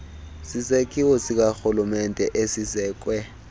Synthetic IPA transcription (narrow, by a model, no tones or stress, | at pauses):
sisekʰʼiwɔsik̬axulumɛntʼɛʔesizɛːk̬ʼwɛ